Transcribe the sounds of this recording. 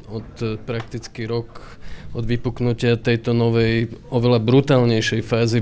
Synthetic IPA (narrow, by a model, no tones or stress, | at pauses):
ɔt̪pɾak̚t̪it͡skiɾɔk | ʔɔd̪ʋipuknucɪat̪ɛjt̪ɔnɔʋɛjʔɔʋɛlabɾut̪aːlɲɛjʃɛjfaːzi